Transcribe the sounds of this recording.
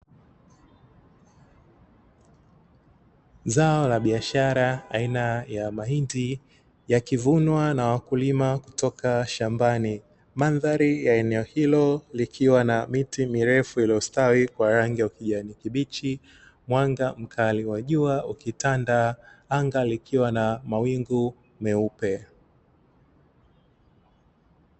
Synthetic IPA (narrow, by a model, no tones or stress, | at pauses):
zaɔlaɓiaʃaɾaainajamahindi | jakivunwanawakulimaku̥tɔkaʃambani | manðaɾijaɛnɛɔhilɔlikʰiwanamitimiɾɛfuiliɔstawikwaɾaŋɡiukiʄanikiɓit͡ʃi | mwaŋɡam̩kʰaliwaʄuaukitandaaŋɡalikʰiwanamawiŋɡu | mɛupɛ